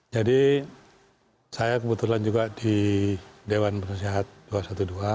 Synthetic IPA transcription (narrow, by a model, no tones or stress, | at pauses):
d͡ʒadi | sajakəbət̪uland͡ʒuɡadi | dewanpərnasiɦat̪̚d̥uasat̪udua